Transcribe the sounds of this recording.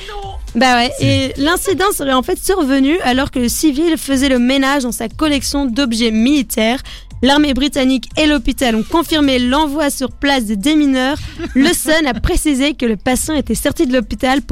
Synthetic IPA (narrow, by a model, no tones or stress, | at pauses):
bawɛelɛ̃sid̪ɑ̃səʁɛɑ̃fɛt̪syʁvənyalɔʁkələsivilfəzɛləmenaʒd̪ɑ̃sakɔlɛksjɔ̃d̪ɔbʒɛmilit̪ʰɛːʁ | laʁmebʁit̪anikelɔpit̪alɔ̃kɔ̃fiʁmelɑ̃vwasyʁplas̬d̪əd̪eminœːʁləsɔnapχesizekələpasjɑ̃et̪ɛsɔʁt̪id̪əlɔpit̪alp